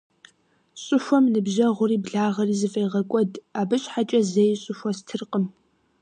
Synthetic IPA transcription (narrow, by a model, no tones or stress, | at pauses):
ɕʼʊxʷɔmnɨbʒɐʁʷʊriːbɮaːʁɐriːzɨfʼeːʁɐkʷʼɔdaːbɨɕʼħat͡ʃʼɐzejɕʼʊʃʷɔstʰɨrqʼəm